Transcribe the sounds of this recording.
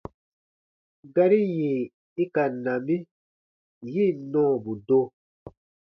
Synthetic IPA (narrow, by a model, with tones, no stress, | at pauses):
ɡa˦ɾi˦je˨ | i˦ka˨nã˨mi˦ | ji˦˨nɔ̃ː˦˨bu˨do˦